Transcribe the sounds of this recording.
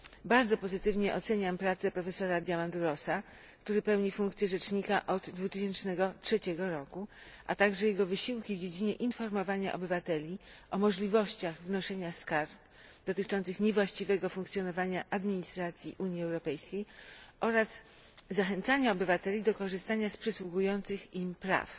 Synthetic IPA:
baɾd̪zɔpɔzɘt̪ɘvɲɛʔɔt̪sɛɲampɾat̪sɛpɾɔfɛsɔɾad̪ʲjamand̪uɾɔsa | kt̪uɾɘpɛwɲifuŋkt̪sʲjɛʐɛt͡ʂɲikaʔɔd̪ːvut̪ɘɕɛnt͡ʂnɛɡɔtʂɛt͡ɕɛɡɔɾɔkuʔa̰t̪aɡʐɛjɛɡɔvɘɕiwkʲivd͡ʑed͡ʑiɲɛʔinfɔɾmɔvaɲa̰ʔɔ̰bɘvat̪ɛlʲiʔɔmɔʐlʲivɔɕt͡ɕaɣvnɔʂɛɲaskaɾp | d̪ɔt̪ɘt͡ʂɔnt̪sɘxɲɛvwaɕt͡ɕivɛɡɔfũŋkt̪sʲjɔnɔvaɲaʔad̪mʲiɲist̪ɾat̪sʲjiʔuɲjiɛwɾɔpɛjskʲejʔɔɾazː | axɛnt̪saɲaɔbɘvat̪ɛlʲid̪ɔkɔʐɘst̪aɲaspʂɛswuɡujɔnt̪sɘximpɾa̰f

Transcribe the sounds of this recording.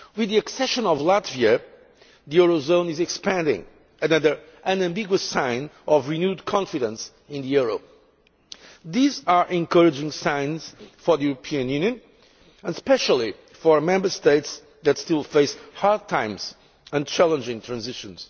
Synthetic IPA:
wɨðiɨksɛʃə̃nɔvlatviɨ | ðiuɹozõʊ̃nɪzɨkspæ̃ndɪ̰̃ŋ | ɨnʌðə˞ | ɨ̃nɨ̃mbiɡwəsãɪ̃nɔvɹinjudkʰɔ̃nfiɾə̃ns | ɪ̃nðijuɹo | ðizaɹʔɛ̃nkɜɹɨd͡ʒɪ̃ŋsãɪ̃nz̥fɔðijuɹəpʰiɨ̃njʉ̃njɨ̃n | ə̃nspɛʃəl̩ˠi | fɔɹmɛ̃mbə˞steɪts | ðɨtstilˠfeɪshad̚tʰãɪ̃mz̥ | ɨ̃nt͡ʃʰælˠə̃nd͡ʒɪ̃ŋtʰɹæ̃nzɪʃə̃nz̥

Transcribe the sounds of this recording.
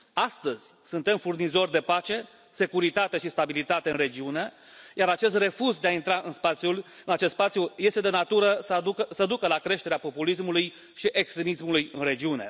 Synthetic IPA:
ast̪əzʲ | sunt̪e̞mfurnizo̞rd̪e̞pat͡ʃe̞ | se̞kuɾit̪at̪e̞ʃist̪abilit̪at̪e̞ɨnre̞d͡ʒiune̞ | jaɾat͡ʃe̞s̬t̪re̞fuzd̪eaint̪ɾaʔɨnspat̪sjulɨnat͡ʃe̞st̪spat̪sjuje̞st̪e̞d̪e̞nat̪uɾəssəd̪ukəlakɾe̞ʃt̪eɾeapo̞pulismuluj | ʃiʔe̞kst̪ɾe̞mismulujɨ̰nre̞d͡ʒiune̞̰

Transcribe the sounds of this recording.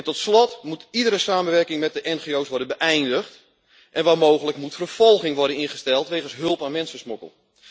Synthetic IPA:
ɛntɔtslɔtmutidəɾəsaːmənʋɛrkɪŋmɛt̚dəʔɛnχeowsʋɔrdənbəʔɛjndəxt | ʔɛnʋaːmoːɣələkmutfərv̥ɔlˠɣɪŋʋɔrdənɪnχəstɛlˠtʋejɣənsɦɵlˠpaːnmɛnsəsmokə̰lˠ

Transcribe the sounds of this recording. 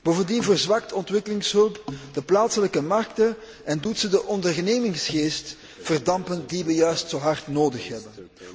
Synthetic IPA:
b̥oːvəndinvərzʋɑk̚təɔntʋɪkəlɪŋsɦɵlˠpdəplaːtsələkəmɑrktən | ɛndutsədəʔɔndərneːmɪŋsxeːst | fərdɑmpəndiʋəjœɥstsoːɦɑrtnoːdəxɦɛbən

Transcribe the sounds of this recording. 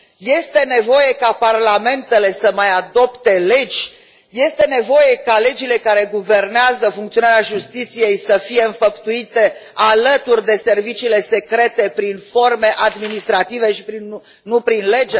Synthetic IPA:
je̞st̪e̞ne̞vo̞je̞kaparlame̞nt̪e̞le̞səmajad̪o̞pt̪e̞le̞d͡ʒʲ | je̞st̪e̞ne̞vo̞je̞kale̞d͡ʒile̞kaɾe̞ɡuve̞rneazəfuŋkt̪io̞naɾeaʒust̪it̪sije̞jsəfije̞ɨnfəpt̪uit̪e̞alət̪urʲd̪e̞se̞rvit͡ʃiːle̞se̞kɾe̞t̪e̞pɾinfo̞rme̞ʔad̪minist̪ɾat̪ive̞ʃipɾin | nupɾinle̞d͡ʒe

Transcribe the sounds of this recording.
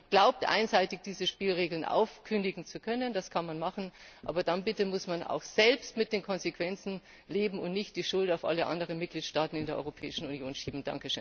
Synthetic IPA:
ɡ̥laʊp̚tʔa̰ɪnzaɪtɪçd̥iːzəʃpiːlʁeːɡl̩nʔa̰ʊfkʰʏndɪɡŋ̩t͡sukʰœnənd̥askʰanmanmaχn̩ʔa̰ːbɐdanbɪtəmʊsmana̰ʊxz̥ɛlpstmɪt̚d̥eːnkʰɔnzekv̥ɛnt͡sn̩ | leːbm̩ʊ̰ntnɪçt̚d̥iːʃʊltaʊfʔa̰ləʔa̰ndəʁənmɪt̚ɡ̥liːtʃtaːtn̩ɪndeːɐʔɔ̰ʁopʰɛ̰ːɪʃn̩unjoːnʃiːbm̩d̥a̰ŋkəʃøːn

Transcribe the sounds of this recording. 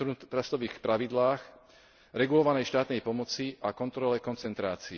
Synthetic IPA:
ut̪ɾast̪ɔʋiːxpɾaʋid̪laːx | ɾɛɡulɔʋanɛjʃt̪aːt̪nɛjpɔmɔt͡siʔakɔnt̪ɾɔlɛkɔnt͡sɛnt̪ɾaːt͡siː

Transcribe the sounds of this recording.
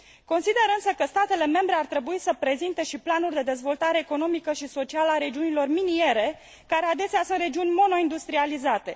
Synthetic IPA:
ko̞nsid̪e̞ɾɨnsəkəst̪at̪e̞le̞me̞mbɾe̞art̪ɾe̞buisəpɾe̞zint̪e̞ʃiplanurʲd̪e̞d̪e̞zvo̞lt̪aɾe̞ːko̞no̞mikəʃiso̞t͡ʃialaɾe̞d͡ʒiunilo̞rminie̞ɾe̞ | kaɾead̪e̞seasunt̪re̞d͡ʒiunʲmo̞no̞ind̪ust̪ɾializat̪e̞

